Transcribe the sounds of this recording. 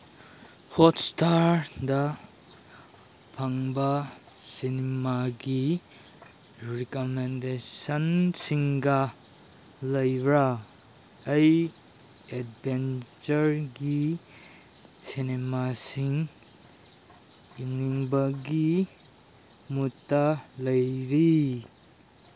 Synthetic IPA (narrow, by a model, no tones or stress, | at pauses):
hɔtstaɾdɐ | pʰɐŋbɐ | sinemaɡi | ɾikomendesɐnsiŋɡɐ | lɐjɾɐː | j | ed̚bʱent͡ʃɐɾɡi | sinemasiŋ | iŋiŋbɐɡi | mutːɐlɐjɾi